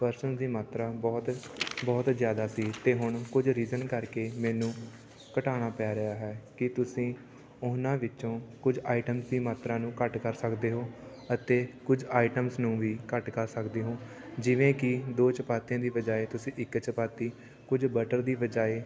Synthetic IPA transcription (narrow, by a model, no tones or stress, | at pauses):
pəɾsənd̪iːmaːt̪ɾaːbɔːt̪bɔːt̪zjaːd̪aːsiːt̪eːɦʊɳkʊd͡ʒɾiːzənkəɾkeːmɛːnũː | kəʈaːɽ̃aːpɛːɾəjaːɦɛːkɪt̪ʊsĩː | ʊnãːʋɪt͡ʃõːkʊd͡ʒaːiʈəmsd̪iːmaːt̪ɾãːnũːkəʈkəɾsəkd̪eːɦoː | ət̪eːkʊd͡ʒaːiʈəmsnũːʋiːkəʈkəɾsəkd̪eːɦoː | d͡ʒɪʋẽːkɪd̪oːt͡ʃəpaːt̪ijãːd̪iːʋəd͡ʒaːeːt̪ʊsĩːʔɪkːt͡ʃəpaːt̪iː | kʊd͡ʒbəʈəɾd̪iːʋəd͡ʒaːeː